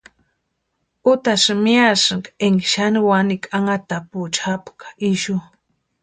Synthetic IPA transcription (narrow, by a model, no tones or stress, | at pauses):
ut̪aʃmjasɨŋkeŋʃaniwanikʼaŋat̪aput͡ʃʰapkḁiʃu